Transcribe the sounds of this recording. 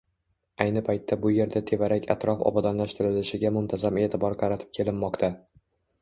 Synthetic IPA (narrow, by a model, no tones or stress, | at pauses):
ajnɪpʰajt̪ʰːabʊje̞ɾd̪at̪ʰe̞vaɾakʲʰa̰t̪ɾɒfɒ̰bad̪ɒnlaʃt̪ɪɾɪlɪʃɪɡʲamʊnt̪ʰazame̞ːt̪ʰɪbɒɾqʰɑɾat̪ʰɪ̥p̚kʲʰe̞lɪmːɒqt̪ʰa